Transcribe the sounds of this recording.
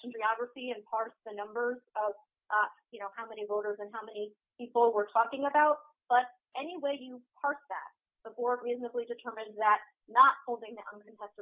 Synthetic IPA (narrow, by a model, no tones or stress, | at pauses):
ndɹiɑɡɹɨfiɨ̃npʰɑɹsðɨnʌ̃mbə˞zʌv | ʔʌjɨnoʊhaʊmɛñivoʊɾə˞zɨ̃nɦaʊmɛni | pʰipl̩ˠwə˞tʰɔkɪ̃ŋɨbaʊt̚ | b̥ʌɾ | ʔɛniweɪjɨpʰɑɹsðæ̰t̚ | ðəbɔɹd̚ɹiznəblidɨtʰɜ˞mɨ̃nðɨt̚ | nət̚hoʊlˠdɪ̃ŋðiʔʌ̃nkʰn̩tʰɛstə